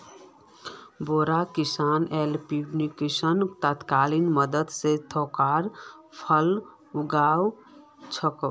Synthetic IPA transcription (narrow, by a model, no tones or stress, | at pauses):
boːɾakisaːnelpibnikisənt̪ət̪kaːlinməd̪əd̪set̪ʰɔkaːɾpʰəl | uɡaːw | t͡ʃʰəkə